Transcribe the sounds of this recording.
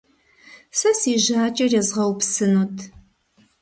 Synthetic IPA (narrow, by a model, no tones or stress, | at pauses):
sɐsiːʒaːt͡ʃʼɐrezʁɐwpsɨnutʰ